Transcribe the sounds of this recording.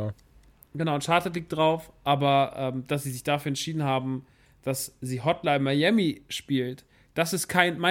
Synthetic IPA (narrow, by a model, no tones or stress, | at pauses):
ɡ̥ənaʊnʃaːtlətliːk̚td̥ʁaʊfʔaːbɐʔɛːmd̥as̬z̥iːzɪçd̥afyːɐɛntʃiːdn̩haːbm̩ | d̥asziːɦɔtlamajɛmiʃpiːlt | d̥asɪstkʰaɪnmaɪ